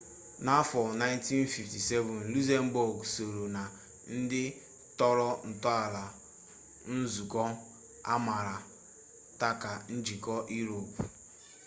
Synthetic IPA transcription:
na˦fɔ˨na˦ɪ˦nti˦nfi˨fti˨se˦vʊ˨n̩lu˦ze˦m̩˦bo˨ɡso˨ɾo˨na˨ | n̩˦dɪ˦ | tɔ˦ɾɔ˦n̩˨tɔ˦a˨la˨ | n̩˦zu˨kɔ˦ | a̰˦ma˨ɾa˨ | ta˦ka˨n̩˦d͡ʒi˨kɔ˦ʔi˦ɾo˨p

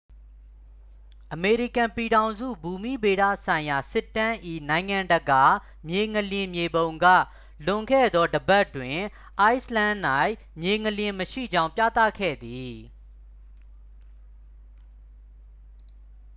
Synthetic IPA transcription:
ʔəme˨ɹi˦˨kã˨mpi˨ɾã˨ʊ̃nzṵ˦˨bu˨mḭ˦˨be˨ɾä̰˦˨sã˨ɪ̃ja˨sɪ˦˨tːã˦ʔḭ˦˨nã˨ɪ̃ŋã˨ndəɡa˨ | mje˨ŋəljɪ̃˨mje˨bõ˨ʊ̃ŋɡä̰˦˨ | lʊ̃˨ŋkʰɛ̰˦˨d̪ɔ˦dəba˦tːwɪ̃˨ | ʔa˦ɪslã˦nna˦˨ɪʔ | mje˨ŋəljɪ̃˨məʃḭ˦˨d͡ʑã˦ʊ̃pjä̰˦˨t̪ä̰˦˨kʰɛ̰˦˨d̪i˨

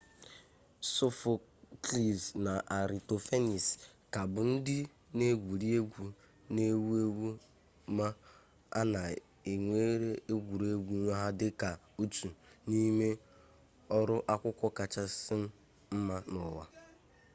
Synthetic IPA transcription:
so˦fʊ˨kli˨zna˨ʔa˨ɾi˨to˨fe˦ni˨ska˨bʊ˨n̩˦dɪ˦ | ne˦ɡʷu˨ɾi˦e˦ɡʷu˨ | ne˦wu˦e˦wu˦ | ma˦ | a̰˦na˨ | e˨ŋʷe˦ɾe˦e˦ɡʷu˨ɾe˦ɡʷu˦ɲʷa˦ɦa˦dɪ˦ka˨ | u˦tu˨ni˦me˦ | ɔ˦ɾʊ˦ʔa˦kʷʊ˦kʷɔ˦ka˨t͡ʃa˦sɪ˦m̩˦ | m̩˦ma˦nʊ˨wa̰˨

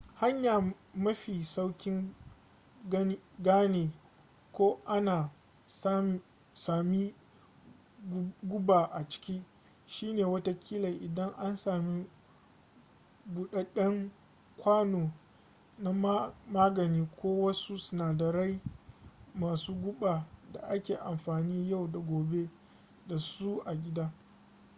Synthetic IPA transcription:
ha˦ɲjaː˨ | mɐ˦ɸiː˨sa˦wkʲɪ˦ŋ | ɡɐ˦ɡaː˦neː˨ | kʷoː˦ʔa˦naː˨ | s | saː˨mi˦ | ɡʷʊ˦baː˨ʔa˨t͡ʃɪ̥˦kʲiː˦ | ʃiː˦neː˨wɐ˦ta˦kʲʰiː˦la˨ʔɪ˨dɐ˦ŋʔa˦nsaː˨mi˦ | ɡʷʊ˨ɗe˦ɗɐ˦ŋ | kʷaː˦noː˨ | na˦m˦maː˦ɡɐ˨niː˦kʷoː˦wɐ˦su˦sʊ˨naː˨dɐ˨ɾa˦j | maː˨suː˦ɡʷʊ˦ɓaː˨da̰˨ʔa˦kʲeː˨ʔa˨mɸaː˨niː˦ja˦˨wda˨ɡʷoː˨be˦ | da˨su˦ʔa˨ɡʲɪ˦daː˦

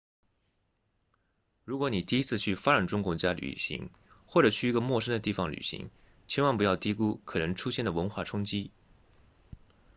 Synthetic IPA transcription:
ɻu˧˥kwɔ˧˥ni˨˩t̪i˥˩˧i˥t͡sʰɹ̩˥˧t͡ɕʰy˥˩fa˥ʈ͡ʂa˨˩nʈ͡ʂʊ˥ŋkwʊ˥˩t͡ɕja˥ly̰˨˩ɕḭ˧˥ŋ | xwɔ˥˩ʈ͡ʂɤ˨˩t͡ɕʰy˥˩i˧˥ɡə˧mwɔ˥˧ʂə˥ŋd̪ə˨t̪i˥˩fɑ˧˩ŋly̰˨˩ɕḭ˧˥ŋ | t͡ɕʰɛ˥nwɑ˥˩ŋpu˧˥jɑ˥˩ʊt̪i˧˥ku˥kʰɤ˨˩nə˧˥ŋʈ͡ʂʰu˥ɕjɛ˥˩nd̪ə˩wə˧˥nxwa˥˩ʈ͡ʂʰʊ˥ŋt͡ɕi˥

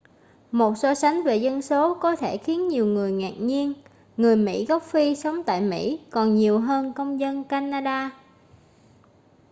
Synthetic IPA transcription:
mo˨˩t̚sɔ˧sa˨˦jŋ̟ve˨˩zə˧nso˨˦kɔ˨˦t̪ʰe˧˩xi˨˦ənɲi˨˩əwŋɨ˨˩əjŋaː˨˩k̚ɲi˧ən | ŋɨ˨˩əjmḭ˧˥ɣɔ˦˥wk͡p̚fi˧sə˨˦wŋ͡mt̪a̰ː˧˨jmḭ˧˥kɔ˨˩nɲi˨˩əwɦəː˧nkə˧wŋ͡mzə˧nkaː˧naː˧ɗaː˧

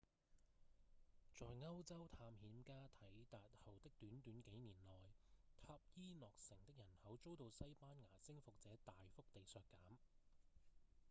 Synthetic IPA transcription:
t͡sɔː˨˧jŋɐ˥wt͡sɐ˥wt̪ʰaː˧mhiː˨˧˥mkaː˥t̪ʰɐ˨˥jt̪aː˨t̚hɐ˨˩wt̪ɪ˥k̚t̪yː˨˥nt̪yː˨˥nke˨˥jniː˨˩nlɔː˨˩jt̪ʰaː˧˥p̚jiː˥nɔː˨k̚sɪ˨˩ŋt̪ɪ˥k̚jɐ˨˩nhɐ˨˥wt͡so˥wt̪o˧wsɐ˥jpaː˥nŋaː˨˩sɪ˥ŋfʊ˨k̚t͡sɛː˨˥t̪aː˨jfʊ˥k̚t̪e˨jsœː˧kːaː˨˥m

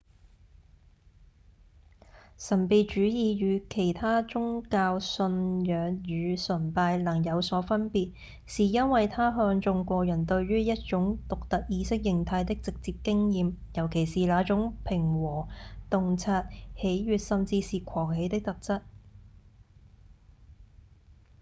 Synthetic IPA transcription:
sɐ˨˩npi˨˧t͡ʃyː˨˥jiː˨˧jyː˨˧kʰe˨˩jt̪ʰaː˥t͡ʃʊ˥ŋkaː˧wsɵ˧njœː˨˧ŋjyː˨˧sɵ˨˩npaː˧jlɐ˨˩ŋjɐ˨˧wsɔː˨˥fɐ˥npiː˨˩t̚ | siː˨jɐ˥nwɐ˨jt̪ʰaː˥ɦœː˧ŋt͡sʊ˧ŋkʷɔː˧jɐ˨˩nt̪ɵ˧ɥɥyː˥jɐ˥t̚t͡ʃʊ˨˥ŋt̪ʊ˨k̚t̪ɐ˨k̚jiː˨˧˥sɪ˥k̚jɪ˨ŋt̪ʰaː˧jt̪ɪ˥k̚t͡sɪ˨k̚t͡siː˧p̚kɪ˥ŋjiː˨mjɐ˨˩wkʰe˨˩jsiː˨laː˨˥t͡sʊ˨˥ŋpʰɪ˨˩ŋwɔː˨˩t̪ʊ˨ŋt͡sʰaː˧t̚he˨˥jɥyː˨t̚sɐ˨mt͡siː˧siː˨kʷʰɔː˨˩ŋhe˨˧jt̪ɪ˥k̚t̪ɐ˨k̚t͡sɐ˥t̚

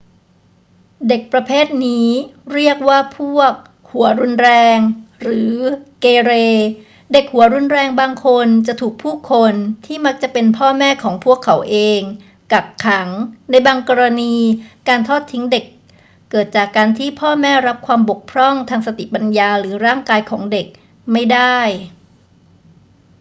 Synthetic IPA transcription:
de˨˩k̚pɾa˧pʰeː˥˩t̪̚niː˦˥ɾi˥˩ək̚waː˥˩pʰu˥˩ək̚ | hu˩˦ɐɾu˧nɾɛː˧ŋɾɯː˩˦keː˧ɾeː˧ | de˨˩k̚hu˩˦ɾu˧nɾɛː˧ŋbaː˧ŋkʰo˧nt͡ɕa˨˩t̪ʰuː˨˩k̚pʰuː˥˩kʰo˧nt̪ʰiː˥˩ma˦˥k̚t͡ɕa˨˩pe˧npʰɔː˥˩mɛː˥˩kʰɔː˩˦ŋpʰu˥˩əkʰːa˩˦wʔeː˧ŋ | ka˨˩kkʰːa˩˦ŋna˧jbaː˧ŋkɔː˧ɾa˧niː˧kaː˧nt̪ʰɔː˥˩t̪ʰːi˦˥ŋde˨˩kː | ɤː˨˩t̪̚t͡ɕaː˨˩kːaː˧nt̪ʰiː˥˩pʰɔː˥˩mɛː˥˩ɾa˦˥p̚kʰwaː˧mbo˨˩k̚pʰɾɔ˥˩ŋt̪ʰaː˧ŋsa˧t̪i˨˩pa˧njaː˧ɾɯː˩˦ɾaː˥˩ŋkaː˧jkʰɔː˩˦ŋde˨˩k̚ | ma˥˩jda˥˩j

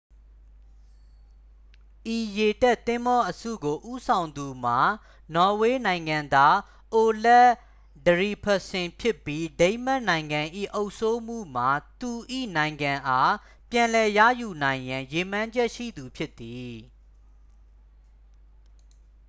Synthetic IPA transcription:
ʔi˨je˨tɛ˦ʔt̪ɪ̃˦mbɔ˦ʔəsṵ˦˨ɡo˨ʔu˦sʰã˨ʊ̃nd̪u˨m̥a˨ | nɔ˨we˦nã˨ɪ̃ŋɡã˨nd̪a˦ | ʔo˨lɛ˦ | dəɹi˨pʰə˨sɪ̃˨mpʰjɪ˦pːji˦dẽ˦ɪ̃m̥ɛ˦ʔnã˨ɪ̃ŋɡã˨ʔḭ˦˨ʔo˦ʊʔso˦m̥ṵ˦˨m̥a˨t̪u˨ʔḭ˦˨nã˨ɪ̃ŋɡã˨ʔa˦ | pjã˨lɛ˨jä̰˦˨ju˨nã˨ɪ̃jã˨je˨m̥ã˦ɲd͡ʑɛ˦ʔʃḭ˦˨d̪u˨pʰjɪ˦t̪ːi˨

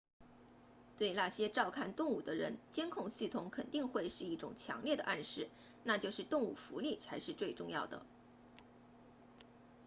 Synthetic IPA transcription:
t̪we˥˧ɪna˥˩ɕjɛ˥ʈ͡ʂɑ˥˧ʊkʰa˥˩nt̪ʊ˥˧ŋu˨˩d̪ə˦ɻə˧˥nt͡ɕjɛ˥nkʰʊ˥˧ŋɕi˥˩t̪ʰʊ˧˥ŋkʰə˨˩nt̪i˥˧ŋxwe˥˧ɪʂɻ̩˥˧i˥˩ʈ͡ʂʊ˨˩ŋt͡ɕʰjɑ̰˧˥ŋljɛ˥˩d̪ə˩ʔa˥˧nʂɻ̩˥˩ | na˥˧t͡ɕjo˥˧ʊʂɻ̩˥˧t̪ʊ˥˧ŋu˨˥˩fṵ˧˥li˥˩t͡sʰa˧˥ɪʂɻ̩˥˧t͡swe˥˧ɪʈ͡ʂʊ˥˧ŋjɑ˥˩ʊd̪ə̰˩

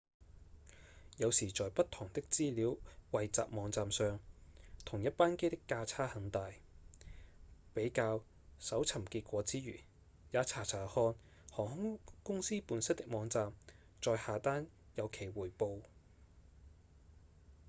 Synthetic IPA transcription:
jɐ˨˧wsiː˨˩t͡sɔː˨jpɐ˥t̪ʰʊː˨˩ŋt̪ɪ˥k̚t͡siː˥liː˨˥wwɐ˨jt͡sa̰ː˨p̚mɔː˨˧ŋt͡saː˧msœː˨˧ŋt̪ʰʊ˨˩ŋjɐ˥t̚paː˥nke˥jt̪ɪ˥kːaː˧t͡sʰaː˥hɐ˨˥ŋt̪aː˨j | pe˨˥jkaː˧w | sɐ˨˥wt͡sʰɐ˨˩mkiː˧t̚kʷɔː˨˥t͡siː˨˥ɥyː˨˩ | jaː˨˧t͡sʰaː˨˩t͡sʰaː˨˩hɔː˧n | hɔː˨˩ŋhʊ˥ŋkʊ˥ŋsiː˥puː˨˧nsɪ˥t̚t̪ɪ˥k̚mɔː˨˧˥ŋt͡saː˧m | t͡ʃɔː˨˧jhaː˨t̪aː˥n | jɐ˨˧wkʰe˨˩jwuː˨˩jpo˧w

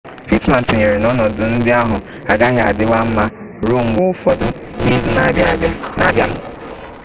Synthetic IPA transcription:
pi˦tmã˨n̩˨tɪ˨ɲe˨ɾe˨nɔ˦nɔ˨dʊ˨n̩˦dɪ˦a˦ɦʊ˨ | a˨ɡa˦ɦɪ˨˦a̰˨dɪ˦wa˦m̩˦ma˦ | ɾo˦m̩˨wʊ˦fɔ˨dʊ˨ | i˦zu˨na˨˦ba˦ba˨na̰˨bja˦m̩˨

